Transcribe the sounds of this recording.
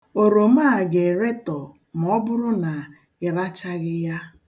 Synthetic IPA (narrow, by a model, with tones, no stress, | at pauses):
o˨ɾo˨ma˦˨ɡe˨ɾe˦tɔ˨ | m̩˨ɔ˦bʊ˦ɾʊ˦na˨ | ɪ˨ɾa˦t͡ʃa˦ɣɪ˦ja˦